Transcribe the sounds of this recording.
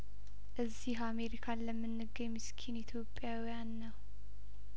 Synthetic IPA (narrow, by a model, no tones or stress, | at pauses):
ʔɨzːiɦame̞ɾikʰaləmːɨnːɨɡəɲmːɨskʰinit̪ʰjo̞pʼːjawijanːəw